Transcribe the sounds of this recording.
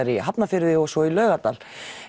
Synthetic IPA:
ɾiɦapnafɪɾðɪɔsɔilœːɥɣat̪al

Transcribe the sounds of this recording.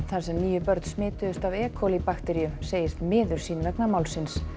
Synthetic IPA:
θaɾ̥sɛmniːjʏpœɾt̪smɪːt̪ʏðʏst̪avɛːkʰɔlipaxt̪ɛɾijʏseːjɪst̪mɪːðʏɾ̥siːnlɛknamaːwlsɪns

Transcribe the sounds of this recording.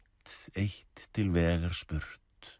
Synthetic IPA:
t̪ejht̪ʰːɪlvɛːɣaɾ̥spʏɾ̥t̪

